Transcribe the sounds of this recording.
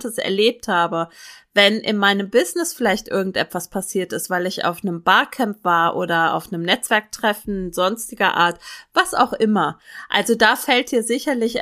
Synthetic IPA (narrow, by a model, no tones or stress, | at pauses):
təsɛ̰ɐleːp̚thaːbəvɛnʔɪ̰nmaɪnəmbɪznɪsfɪlaɪçtʔɪɐɡŋ̩tʔɛtv̥aspʰasiːɐtɪstv̥aɪlɪça̰ʊfnəmbaːɐkʰɛmpv̥aːɐʔoːdɐa̰ʊfnəmnɛt͡sv̥ɛɐk̚tʁ̥ɛfn̩zɔnstɪɡɐ̰ʔa̰ːɐtv̥asa̰ʊxʔɪmɐʔa̰lzodaːfɛlt̚d̥iːɐzɪçɐlɪç